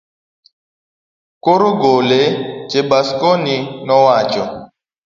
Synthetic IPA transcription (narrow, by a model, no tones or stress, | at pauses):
koɾuɡoled͡ʒebaskoninɔwat͡ʃɔ